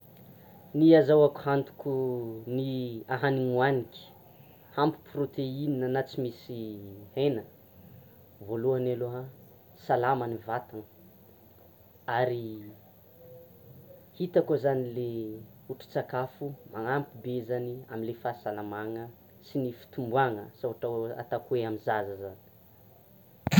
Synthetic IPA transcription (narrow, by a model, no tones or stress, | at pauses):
niazawaku̥hant̪u̥kuniaɦaniŋuanikʲi̥ | hampi̥prot̪eininanat͡simisihenə | voluanaloɦə | salamanivat̪aŋə | aɾi | hit̪akozanile | uʈ͡ʂi̥t͡sakafumaŋampibezania̰minlefasalamaŋə | sinifi̥t̪umbuaŋəsaaʈ͡ʂaa̰t̪akuweamizazəzani̥